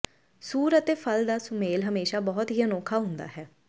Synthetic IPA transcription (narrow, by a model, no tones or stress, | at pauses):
suːɾət̪eːpʰəld̪aːsʊmeːlɦəmeːʃaːbɔːʊt̪ɦiːənoːkʰaːɦʊ̃nd̪a̰ːɦɛː